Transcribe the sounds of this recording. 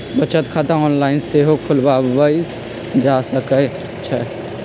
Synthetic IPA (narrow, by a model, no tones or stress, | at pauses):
bət͡ʃət̪kʰat̪ãɔːnlaɪnseɦokʰulbabəi | d͡ʒasəkə | t͡ʃʰɛ